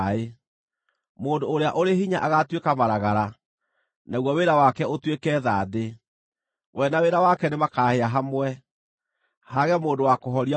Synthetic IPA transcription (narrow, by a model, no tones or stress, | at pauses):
e | moːndoːɾeaʔoɾehiɲaʔaɣatwekamaɾaɣaɾa | naɣwɔweɾawakɛotwekɛðaːðe | wɛnaweɾawakɛnemakaːheaɦamwɛ | haɣɛmoːndowakoɦɔɾia